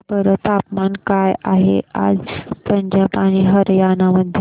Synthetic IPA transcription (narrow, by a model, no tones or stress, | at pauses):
pəɾət̪apmankajaɦḛa̰d͡zpəɲd͡ʑapaɽ̃iːɦəɾjanaməd̪ʱːj